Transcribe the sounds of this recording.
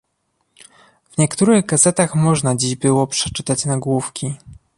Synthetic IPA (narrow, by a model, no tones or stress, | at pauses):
v̥ɲɛkt̪uɾɘɣɡazɛt̪axmɔʐnad͡ʑiʑbɘwɔpʂɛ̥t͡ʂɘt̪at͡ɕnaɡwufkʲi